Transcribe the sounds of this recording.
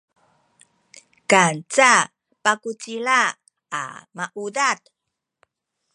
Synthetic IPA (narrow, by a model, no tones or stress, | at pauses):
kant͡sa | pakut͡siɭa̰ː | maʔudat̚